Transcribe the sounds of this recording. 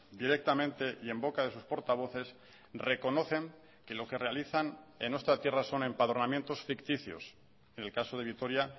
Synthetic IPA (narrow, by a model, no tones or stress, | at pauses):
d̪iɾe̞k̚t̪amẽnt̪e̞ʔie̞mbo̞kaðe̞suspo̞ɾt̪aβ̞o̞θe̞s | re̞ko̞no̞θe̞ŋ | ke̞lo̞ke̞re̞aliθanenwe̞st̪ɾat̪je̞raso̞ne̞mpaðɾonamjẽnt̪o̞sfikt̪iθjo̰s | e̞ne̞lkaso̞ð̞e̞β̞it̪o̞ɾja